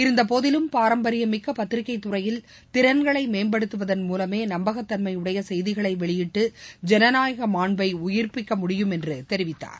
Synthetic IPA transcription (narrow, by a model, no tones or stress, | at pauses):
ɪɾɯnd̪ɐpoːðɪlɯmpaːɾɐmbɐɾɪjɐmɪkːɐpɐt̪ːɪɾɪkːɐɪt̪ːʊrɐjɪl | t̪ɪɾɐnɡɐɭɐɪmeːnbɐɽɯt̪ːɯʋɐðɐnmuːlɐmeːnɐmbɐɣɐt̪ːɐnmɐɪɯɽɐjɐsɛjðɪɣɐɭɐɪʋɛɭɪjɪʈːɯd͡ʒɛnɐnaːjɐɣɐmaːɳbɐɪʊjɪrpɪkːɐmʊɽɪjɯmɛndrɯt̪ɛɾɪʋɪt̪ːa̰ːɾ